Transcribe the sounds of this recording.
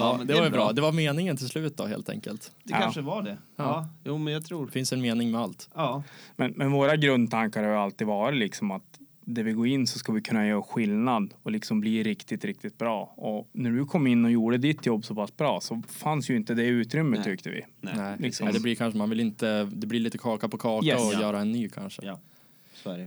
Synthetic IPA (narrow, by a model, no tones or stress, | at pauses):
ɑːd̪ɛvaɾjəbɾɑːd̪ɛvaɾmeːnɪŋənt̪ʰɪlslʉ̟ːt̪ət̪̚d̪ɔ̰ɦḛːlt̪ʰɛ̰ŋkə̰lt̪d̪ɛkaːʂəvaɖɛjuːmɛnjɑt̪ʰɾuːfɪnsɛnmeːnɪŋmɛalt̪ː | mɛnmɛnvoːɾaɡɾɵnd̪̚t̪ʰaŋkaɾhaɾjɵalt̪iːd̪vɑːɾɪt̪lɪksɔmat̪d̪æɾvɪɡoːɪnːsɔskavɪkʰɵnːajœːɾɧɪlnad̪ɔlɪksɔmbliːɾɪkt̪ɪt̪ɾɪk̚t̪ɪt̪̚bɾɑːɔnæɖɵkʰɔmːɪnːɔjuːɖəd̪ɪt̪jɔbːsɔpasbɾɑːsɔfansjɵɪnt̪əd̪ɛʉ̟ːt̪ɾʏmːət̪ʰːʏk̚t̪əvɪ̰lɪksɔd̪ɛblɪɾkʰanʂəmanvɪlɪnt̪əd̪ɛbliɭiːt̪əkʰɑːkapɔkʰɑːjɛaɔjœːɾaɛnːyːkʰa̰nʂə̰ | sɛ